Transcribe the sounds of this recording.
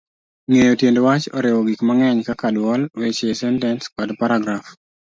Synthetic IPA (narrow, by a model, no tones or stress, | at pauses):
ŋejotjendowat͡ʃɔɾɪwɔɡikmaŋɛɲkakadwɔlwet͡ʃesɛntɛnskɔdpaɾaɡɾaf